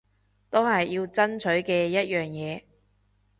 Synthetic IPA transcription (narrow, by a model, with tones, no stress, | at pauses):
t̪o˥hɐ˨jːiː˧wt͡sɐ˥nt͡ʃʰɵ˨˥ɥkɛː˧jɐ˥t̚jœː˨ŋjɛː˨˧